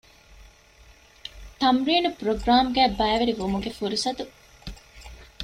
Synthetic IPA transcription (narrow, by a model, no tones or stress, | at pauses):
t̪ɐmɾiːnupɾoɡɾaːmɡæːbɐːʋeɾiʋomuɡefuɾisɐt̪u